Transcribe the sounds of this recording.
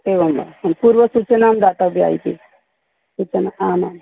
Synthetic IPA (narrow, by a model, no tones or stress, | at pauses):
teʋəma̰mpuɾʋəsut͡ʃənamd̪at̪abʱia̰it̪ḭ | sut͡ʃənaaman